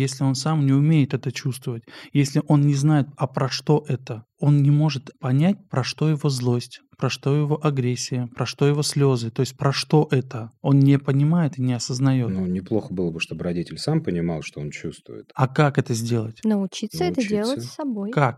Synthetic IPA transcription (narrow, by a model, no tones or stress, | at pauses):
jesʲlʲɪo̞nsamnʲɪʊmʲejɪt̪ɛt̪ət͡ɕust̪vəvətʲjesʲlʲɪʔo̞nnʲɪznajɪt̪̚ɐpɾɐʂt̪o̞ʔɛt̪ə | o̞nnʲɪmo̞ʐɨt̪pɐnʲæt̚ʲpɾɐʂt̪o̞jɪvo̞zlˠo̞sʲtʲpɾɐʂt̪o̞jɪvo̞ʔɐɡɾʲesʲːɪjəpɾɐʂt̪o̞jɪvo̞sʲlʲo̞zɨt̪o̞ɪsʲt̚ʲpɾɐʂt̪o̞ʔɛt̪əo̞nnʲɪpənʲɪmajɪt̪ɨnʲɪɐsəznɐjonunʲɪplˠo̞xəbɨlˠəbɨʂt̪o̞bɨɾɐdʲitʲɪlʲsampənʲɪmalˠʂt̪oont͡ɕust̪vʊ̰jɪ̰t̪ɐkakɛt̪əzʲdʲe̞lˠətʲnəʊt͡ɕit̪sːəɛt̪ədʲelˠəttʲssɐbo̞jkak̚